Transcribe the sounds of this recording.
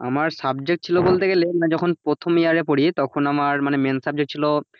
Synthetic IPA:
a̰maɾsabd͡ʑek̚ʈ̚t͡ɕʰilobolt̪eɡelenad͡ʑɔkʰonpɾot̪ʰomijaɾep̬oɽit̪ɔkʰonamaɾmanemensab̚d͡ʑek̚ʈ̚t͡ɕʰilo

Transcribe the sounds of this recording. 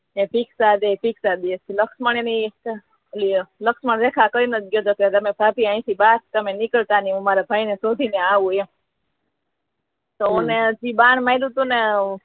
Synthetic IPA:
ẽpʰiksad̪epiksad̪iet̪iləksməɳ̃eni | əliləksməɳɾekʰakəinət̪̚ɡjod͡ʒoket̪əmẽpapiãĩsibast̪əmenikəlt̪aniũmaɾabʱainesod̪ʱineaʋũe | t̪ooned͡ʒibaɳmajlũt̪une

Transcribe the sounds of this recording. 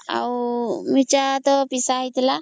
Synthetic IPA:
a̰wmit͡ʃat̪ɔpisaɦit̪ɛla

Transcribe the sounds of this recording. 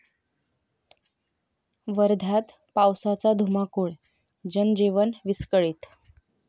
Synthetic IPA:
ʋəɾd̪ʱat̪ | pawsat͡sad̪ʱumakuːɭ | d͡ʑənd͡ʑiʋənʋiskəɭiːt̪

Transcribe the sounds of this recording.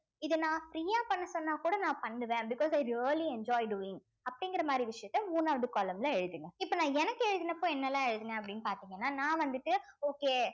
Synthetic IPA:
ɪðɯnãːfɾiːaːpɐɳːɐsɔnːaːkuːɽɐnãːpɐɳːɯʋẽːbɪkɔːsɐɪɾiɐliɛɲd͡ʒɔːɪɖuːɪ̃ŋ | ɐpːɐɽɪŋɡɪɾɐmaːd̪ɾiʋɪʂɐjɐt̪ːɛuːnaːʋɐðɯkɔːlɐmlãɛɻɯðɯŋɡɐɪpːoːnãːɛnɐkːɯɛɻɯðɯnːɐpːoːɛnːɛlãːɛɻɯðɯnɛ̃ːɐpːɐɽɪnːɯpaːɾt̪iːŋɡɐnːaːnãːʋɐnd̪ɯʈːɯoːkeː

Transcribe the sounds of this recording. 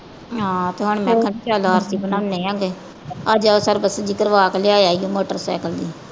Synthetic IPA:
ɦãːt̪eːɦʊɳmɛ̃ːkʰənt͡ʃaːloːɦəɾsiːbənãːʊneːãːɡeː | əd͡ʒasəɾbəsd͡ʒiːkəɾʋaːklɪaːeaːiõːmoːʈəɾsa̰ːkəld̪iː

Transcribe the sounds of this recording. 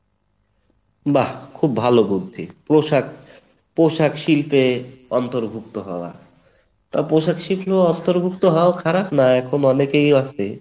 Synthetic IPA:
bakʰubːʱalobud̪ʱːipɾoʃak | poʃakʃilpeɔnt̪oɾbʱuk̚t̪oɦɔoa̰ | t̪apɾoʃakʃiploɔnt̪oɾbʱuk̚t̪oɦɔokʰaɾapnaɛkʰonɔnekejaʃʰe

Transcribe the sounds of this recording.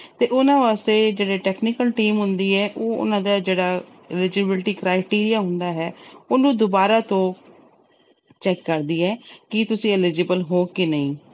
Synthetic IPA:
t̪eːʔʊnãːʋaːst̪eːd͡ʒeːɽiːʈɛːknɪkəlʈiːmɦʊnd̪iːɛːʔoːʊ̰nãːd̪aːd͡ʒeːɽaː | ɪlɪd͡ʒɪbɪlʈiːkɾaːɪʈiːɾijaːɦʊnd̪aːɦɛːʊnũːd̪ʊbaːɾaːt̪õː | t͡ʃɛːkːəɾd̪iːɛːkɪt̪ʊsĩːɪlɪd͡ʒɪbəlɦoːkɪnəĩː

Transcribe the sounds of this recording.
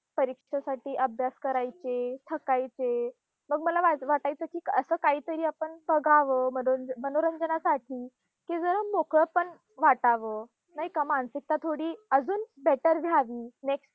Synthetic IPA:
pəɾikʂʂasaʈiːʔəbʱjaskəɾajt͡ɕet̪ʰəkajt͡se | məɡməlaʋaʋaʈajt͡səːkiːəsəːkaɦiːt̪əɾiːapəɳbəɡaʋəmənomənoɾəɲd͡zənasaʈʰiː | kid͡zəɾəmokəpəɳ | ʋaʈaʋə | naɦikamansik̚t̪at̪ʰoɽiːəd͡zuːnbeʈəɾd̪ʱjaʋiːneksʈ

